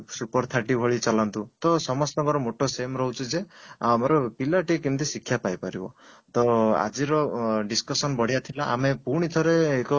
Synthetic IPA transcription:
supɔɾt̪ʰaʈibʱɔɭit͡ʃɔlant̪ut̪ɔsɔmɔst̪ɔɡɔɾɔmoʈɔsemɾɔɦut͡ʃʰud͡ʒeamɔɾɔpilaʈikint̪isikʰːjapajpaɾibɔ̰t̪ɔa̰d͡ʒiɾɔɖiskɔsɔnbɔɽ̤ijat̪ʰilaʔamepuɾɽ̃it̪ʰɔɾeːkɔ

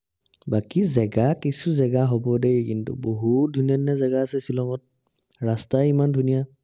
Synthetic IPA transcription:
bakizɛɡakisuzɛɡaɦobɔdejkintṵboɦut̚dʱunianazɛɡaasɛsilɔŋɔt̚ | ɹastajimandʱunija

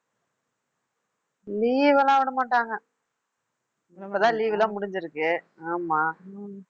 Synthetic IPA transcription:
liːʋɐlãːʋɐɳɯmaɳʈːaːŋɡɐ | ɐpːɐt̪ãːliːʋɪlãːmʊɽɪɲd͡ʒɪɾɯkːɯ | aːmaː

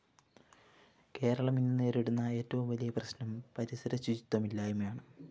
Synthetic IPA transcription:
ke̞ːɾɐɭɐminːinːeːɾiɽunːɐe̞ːtːɐʋumʋɐlijɐprɐɕnɐmpɐɾisɐɾɐsud͡ʑit̪wɐmilːaːjumjaːɳɨ

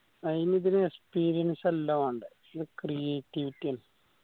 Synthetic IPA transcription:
ɐðiniðinɨekspiːɾijɐnsɐlːɐmaːɳɖɨ | iðɨkrijeːtːiʋitʲːiɐn

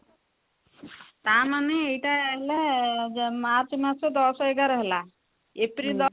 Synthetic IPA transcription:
t̪ãmaneejʈaəɦle | maɾt͡ʃmat͡ʃed̪ɔsɔeɡaɾəɦla | epɾild̪ɔ

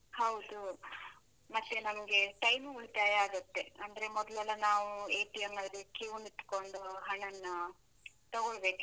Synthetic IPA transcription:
hɐwd̪u | mɐt̪ːe̞nɐmɐɡe̞ʈɐjmuuɭt̪aːjɐaːɡɐt̪ːe̞ɐnd̪ɐɾe̞mɔd̪lɛlːɐnaːʋueːʈijɐmɐd̪ɾekjiːnit̪koɳɖoɦɐɳɐnːu | t̪ɐɡoɭbe̞ːku

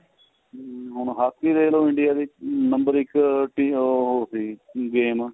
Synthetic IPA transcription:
ɦʊɳ̃ɦaːskiːɾeːloːɪɳɖɪjaːd̪iːnəmbəɾɪkʈiːɦoːsiːɡeːm

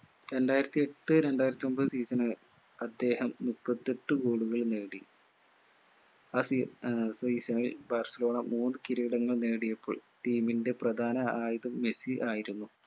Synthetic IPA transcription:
ɾe̞nɖaːjɾɐt̪ːie̞ʈːɨɾe̞ɳɖaːjiɾɐt̪ːiombɐðɨsiːsɐnɨ | ɐd̪ːe̞ːhɐmmupːɐt̪ːeʈːɨɡoːɽuɣɐɭne̞ːɽi | aːsisiːsɐnilbaːrsɐlo̞ːɳɐmuːnɨkiɾiːɽɐŋːɐɭneːɽijɐpːo̰ːɭʈiːminde̞prɐd̪ʱaːnɐaːjiðɐmːe̞siʔaːjiɾunːu

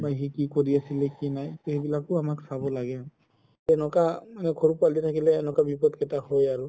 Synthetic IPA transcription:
bajɦikikoɹiasilɛkinajteebilakʊamaksabɔlaɡɛ | ɛnɔkamanɛkʰoɹupalitʰakilɛːnɔkabipɔtkɛtahojaɹu

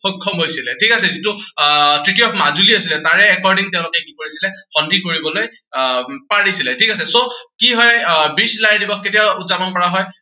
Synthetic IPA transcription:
xokʰɔmɦojsilɛtʰikasɛzitutɹitiɔpʰmazuliasilɛtaɹɛːkɔɹdiŋtɛʊ̃lʊkɛkikoɹisilɛxɔndʱikoɹibɔloj | paɹisilɛtʰikasɛsokiɦɔjbislajdibɔkketiautzapɔnkɔɹaɦɔj

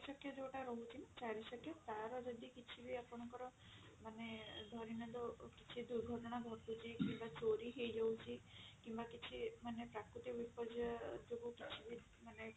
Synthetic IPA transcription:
isɔkjɔd͡ʒewʈaɾɔɦut͡ʃʰint͡ʃaɾisɔkʰjɔt̪aɾɔd͡ʒɔd̪ikit͡ʃʰibʱiapɔɽ̃ɔŋkɔɾɔ | maned̪ʱɔɾinɔd̪ɔkit͡ʃʰid̪uɾɡʱɔʈɔɽ̃aɡʱɔt̪ut͡ʃʰikimbat͡ʃoɾiɦejd͡ʒɔwt͡ʃʰikimbakit͡ʃʰimanepɾakɾut̪ikbipɔd͡ʒɔd͡ʒoɡukit͡ʃʰibʱi | mane

